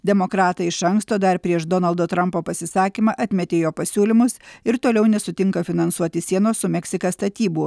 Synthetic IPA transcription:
d̪ʲɛmokɾɑːt̪ɐɪɪʃɐŋkst̪oːd̪ɐɾpʲɾʲiɛʃd̪ɔnɐlˠd̪oːt̪ɾɐmpoːpɐsʲɪsɑːkʲimɑʔɐt̪ʲmʲɛt̪ʲeːjoːpɐsʲuːlʲɪmʊsɪɾt̪oːlʲɛʊnʲɛsʊt̪ʲɪŋkɐfʲɪnɐnsuɔt̪ʲɪsʲiɛnoːssʊmʲɛksʲɪkɐst̪ɐt̪ʲiːbuː

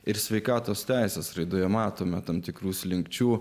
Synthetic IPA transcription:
ɪɾsʲʋʲɛɪkɑːt̪oːst̪ʲæɪsʲeːsɾɐɪd̪oːjɛmɑːt̪oːmʲɛt̪ɐmt̪ʲɪkɾuːslʲɪŋkt͡ʃʲuː

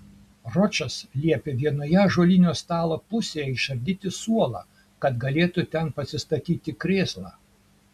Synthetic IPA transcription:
ɾɔt͡ʃɐslʲiɛpʲeʋʲiɛnoːjɛʒulʲinʲoːst̪ɑːlˠopʊsʲeːjɛɪʃɐɾʲd̪ʲiːt̪ʲɪsuɔlˠɑ̰ː | kɐt̪ɡɐlʲeːt̪ʊt̪ʲɛnpɐsʲɪst̪ɐt̪ʲiːt̪ʲɪkɾʲeːslˠɑː

